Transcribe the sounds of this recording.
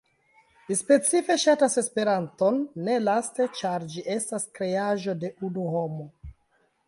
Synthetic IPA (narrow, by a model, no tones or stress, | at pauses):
lispe̞t͡sife̞ʃatase̞spe̞ɾanto̞nːe̞laste̞t͡ʃaɾd͡ʒiʔe̞staskɾe̞aʒo̞de̞unuho̞mo̞